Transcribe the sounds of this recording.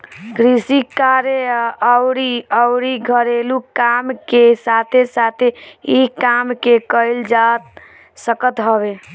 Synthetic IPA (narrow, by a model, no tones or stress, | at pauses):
kɾisikaɾeəʊɾiəʊɾiɡʱəɾelukamkesat̪ʰesat̪ʰeikamkekəɪld͡ʒat̪ | səkət̪ɦəbe